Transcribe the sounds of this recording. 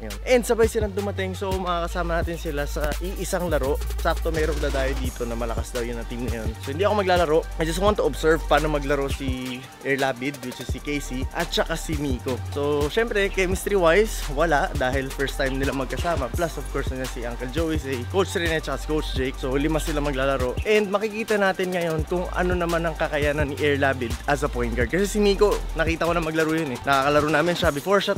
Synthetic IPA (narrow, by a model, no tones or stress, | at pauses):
ɐjonʔɛnd̪sɐbajsɪlaŋd̪ʊmɐt̪ɪŋso̞mɐŋakɐsaːmɐnaːt̪ɪnsɪlasɐʔiʔɪsaŋlɐɾo̞ʔsap̚t̪o̞mɛːɾond̪aːd̪aːjɐd̪iːt̪o̞nɐmɐlɐkasd̪ɐwjʊnːɐŋt̪imnɐjonsohɪnd̪iːɐkomɐɡ̚laːlɐɾo̞ʔajd͡ʒɐs̬t̪want̪ːʊobsɛɹvpaːno̞mɐɡlɐɾo̞ʔsi | ʔɛɹlaːbɪd̪̚ɡɪt͡ʃɛsikejsiʔɐt̪̚t͡ʃɐkasimiːko̞so̞ʃɛmpɾɛkɛjmist̪ɾiwajswɐlaʔd̪aːɦɪlfɛɹst̪ajmnɪlamɐɡ̚kɐsaːmɐplɐsʔov̥koɹsɐd͡ʒɐnsiʔaŋkɛld͡ʒowɪsɐjkowt͡ʃɾiɛnɛt͡ʃɐkasɪ̥kowt͡ʃd͡ʒɛjk̚solɪmasɪlamɐɡlaːlɐɾo̞ʔɛnd̪̚mɐkɪkiːt̪ɐnaːt̪ɪnŋɐjo̞nkʊŋʔɐ̰no̞nɐmanɐŋkɐkɐjaːnɐnːiʔɛɹlaːbɪd̪ɐsɐpojn̚ɡaɹd̪̚kɐsɛsɪniːko̞nɐkiːt̪ɐko̞nɐmɐɡlɐɾoːjonɛnɐkakɐlɐɾonaːmɪnʃabɪfoɹʃat